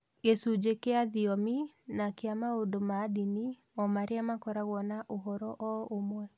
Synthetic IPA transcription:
ɣesud͡ʑekeaðiɔminakeamaondomadini | ɔmaɾeamakɔɾaɣwɔnaʔoɦɔɾɔʔɔomwɛ

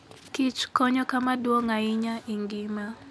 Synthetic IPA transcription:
kit͡ʃkɔɲɔkamadwɔŋaiɲaiŋɡima

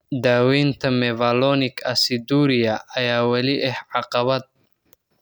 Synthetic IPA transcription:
d̪aːwiːnt̪ʰɐmɛvɐlɔːnɪkʰɐsid̪uːɾɪjɐʔɐjaːwɐlɪʔɛhʕɑqɑβɐd̪̚

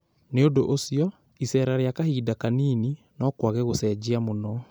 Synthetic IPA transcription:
neondoʔosiɔ | isɛɾaɾeakahiːdakaniːni | nɔkwaɣɛɣosɛd͡ʑeamonɔ

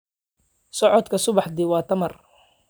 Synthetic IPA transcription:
sɔʕɔd̪kʰɐsʊβɑħd̪ɪwɑːt̪ʰɐmɐr

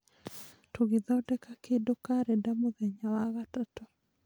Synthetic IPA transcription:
tuɡiðɔdɛkakedɔkaɾɛdamuðɛɲawaɣatɔtɔ

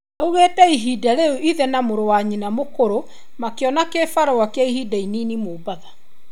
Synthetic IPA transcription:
nauɣetɛiɦiːdaɾeuʔiðɛnamoɾowaɲinamokoɾo | makeɔnakefaɾowakeaihiːdainiːnimoːbaða

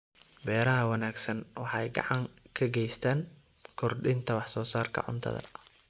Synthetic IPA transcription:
bɛːɾɐɦɐwɑnaːɡsɐnwɑħɛjɡɑ̰ʕɑŋkʰɐɡɛjst̪ʰaːŋ | kʰɔrɖɪnt̪ʰɐwɑħsɔːsaːrkʰɐ̰ʕʊ̰nt̪ʰɐ̰ðɐ̰

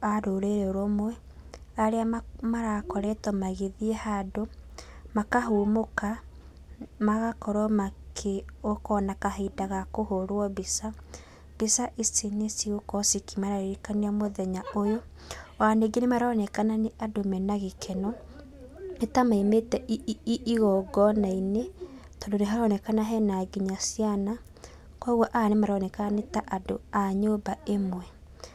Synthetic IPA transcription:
aɾoɾeɾɛoɾɔmoɛ | aɾeamaɾakɔɾɛtɔmaɣeðiehadomakaɦuːmoka | maɣakɔɾɔmakʰeokɔnakaɦedaɣakohoɾwɔbisa | b̥isaʔisinesiokɔsikimaɾaɾeɾikaniamoðɛɲaojo | aneɡenemaɾɔnɛkananeʔadomɛnaɣikʰɛnɔ | etamaimetɛʔiiʔiɣɔɡɔnaine | tɔndoneɦaɾɔnɛkanaɦɛnaɡiɲasijana | kwɔɣwɔʔanemaɾɔnɛkanetaʔadoaɲobaemwɛ

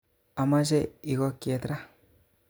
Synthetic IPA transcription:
amazeiɡɔket̪ɾa

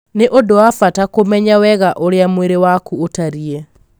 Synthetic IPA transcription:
neʔodoafatakomɛɲawɛɣaʔoɾeamweɾewakuotaɾie

